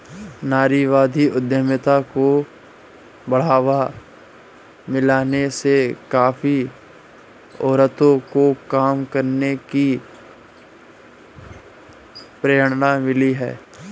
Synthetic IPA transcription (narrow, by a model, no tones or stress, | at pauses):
naːɾiʋaːd̪ʱiʊd̪jəmɪt̪ako | bɐɽ̤aːʋa | mɪlaːnesekaːfi | ɔːɾət̪õkokaːmkəɾneki | pɾeːəɽ̃namɪliɦɛ̰ː